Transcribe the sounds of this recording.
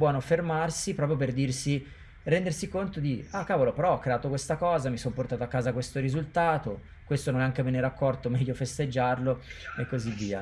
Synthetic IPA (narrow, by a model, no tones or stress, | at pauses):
bwɔːnofermarsipɾɔpɾjop̬erd̪irsi | rɛnd̪ersikont̪od̪iakːaːvolopeɾɔɔkːɾeaːt̪okwest̪akɔːzamisomport̪aːt̪oakːaːzakwest̪oɾizult̪aːt̪o | kwest̪ononɛaŋk̟emeneɾakːɔrt̪omɛʎːofest̪ed͡ʒːarloekːozivːiːa̰